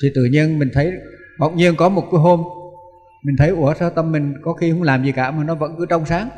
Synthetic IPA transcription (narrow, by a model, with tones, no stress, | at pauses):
t̪ʰi˨˩t̪ɨ̰˧˩ɲi˧ənmï˨˩ŋ̟t̪ʰə˨˦jɓə̰˧˨wɲi˧ənkɔ˨˦mo˨˩t̚ku˨˦ɦo˧m | mï˨˩ŋ̟t̪ʰə˨˦jʔu˧˩əsaː˧t̪ə˧mːï˨˩ŋ̟kɔ˨˦xi˧hʊ˧˥ŋ͡mlaː˨˩mzi˨˩kaː˧˩maː˨˩nɔ˨˦və̰˧˥nkɨ˨˦t͡ɕɔ˧wŋ͡msaː˨˦ŋ